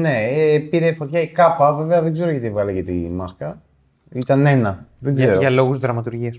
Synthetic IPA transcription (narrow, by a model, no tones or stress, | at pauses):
ne̞piɾefo̞t̪çɐikɐpɐve̞veɐðeɡze̞ɾo̞ʝɐt̪ivɣɐlecit̪imɐskɐ | it̪ɐne̞nɐðeɡzeɾoɐlo̞ɣuzðɾɐmɐt̪uɾʝiɐs